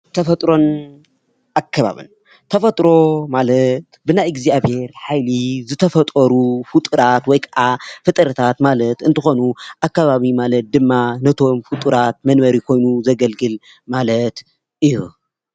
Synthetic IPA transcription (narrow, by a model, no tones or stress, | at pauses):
t̪ʰɐfɐt̪ʼɾo̞n | ʔakʰːɐβa̰βḭn | t̪ʰɐfɐt̪ʼɾo̞malɐt̪bɨnajɡziaβhe̞ɾħajlizɨt̪ʰɐfɐt̪ʼɐɾufut̪ʼɨɾat̪wɔjkʰɐʔafɨt̪ʼɾɨt̪ʰat̪malɐt̪ɨnt̪ʰɨxo̞nuʔakːaβaβimalɐt̪̚d̪ɨmːanɐt̪ʰo̞mfɨt̪ʼuɾat̪̚mɐnbɐɾikʰo̞jnuzɐɡɐlɡɨl | malɐt̪ | ʔɨjṵ